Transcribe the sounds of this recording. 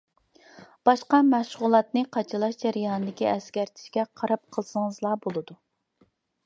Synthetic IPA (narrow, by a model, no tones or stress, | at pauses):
b̥ɑʃqɑmæʃʁʊlˠɑt̪nɨqʰɑt͡ʃʰɨlˠɑʃd͡ʒɛɾɨjɑnɨd̪ɪkʲiɛskʲæɾt̪ʰɪ̥ʃkʲɛqʰɑɾɑp̚qʰəlˠsəŋəzlˠɑːbolˠɨd̪u